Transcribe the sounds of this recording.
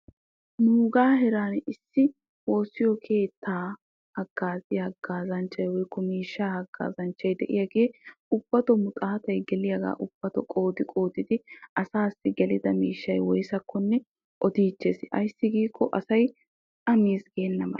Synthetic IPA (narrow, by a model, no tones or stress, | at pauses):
nuːɡaːɦɛɾaːnɪsːɪ | wo̞ːsːɪjɔkʰe̞ːt̪ːaː | hɐɡ̥ːaːzɪhɐɡ̥ːaːzɐnt͡ʃːɐjwɔjkːɔmiːʃːaːhɐɡ̥ːa̰ːzɐnt͡ʃːɐjd̪ɛ̰ʔɪ̰jɐɡeːʊb̥ːɐt̪ɔmʊt̪ʼaːt̪ɐjɡɛlɪjɐɡa̰ːʔʊb̥ːɐt̪ɔkʼo̞ːt̪ɪkʼo̞ːt̪ɪd̪ɪɐsaːsːɪɡɛlɪd̪ɐmiːʃːɐjwɔjsɐkːɔnːɛ | ʔɔt̪iːt͡ʃːesɐ̰jsːɪɡiːkːɔʔɐsɐjʼ | ɐmiːsɡenːɐmɐ̰l